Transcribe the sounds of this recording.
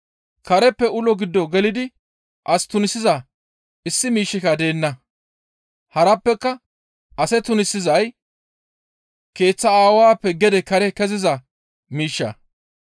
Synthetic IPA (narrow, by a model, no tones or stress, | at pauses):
kɐɾɛpːɛʊlɔɡɪd̪ːɔɡɛlɪd̪ɪ | ʔɐst̪ʊnɪsːɪzɐ | ɪsːɪmiːʃːɪkɐd̪e̞ːnːɐ | hɐɾɐpːɛkːɐ | ʔɐsɛt̪ʊnɪsːɪzɐj | ke̞ːt͡sːɐaːwaːpːɛɡɛd̪ɛkɐɾɛkɛzɪzɐ | miːʃːɐ̰